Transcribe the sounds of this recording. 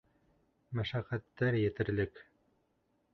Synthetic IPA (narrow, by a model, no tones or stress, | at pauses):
mæʃæqæt̪ːæɾjɘ̆t̪ɘ̆ɾlɘk